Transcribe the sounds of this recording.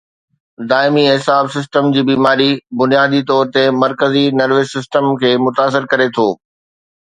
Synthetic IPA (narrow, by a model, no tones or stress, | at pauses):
d̪aːɪmiɦɪsaːbsɪs̬ʈəmd͡ʑiːbiːmaːɾibʊnijaːd̪it̪ɔːɾt̪emɐɾkəzinɐɾʋeːsːɪsʈəmkʰeːmʊt̪aːs̬ɪɾkɐɾet̪ʰoː